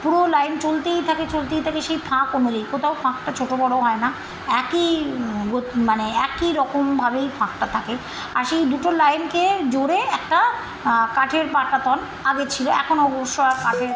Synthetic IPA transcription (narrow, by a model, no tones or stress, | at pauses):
puɽolajnt͡ɕolt̪ejt̪ʰaket͡ɕolt̪ejt̪ʰakeʃejpʰãkonolejkot̪ʰaofʰãk̚ʈat͡ɕʰoʈobɔɽoɦɔena | ɛkiɡot̪maneɛkiɾɔkombʱabejfʰãkʈat̪ʰake | a̰ɾʃejd̪uʈolajnked͡ʑoɾeɛk̚ʈa | kaʈʰeɾpaɾʈat̪ɔn | aɡet͡ɕʰiloɛ̰kʰonoɔboʃːoakaʈʰe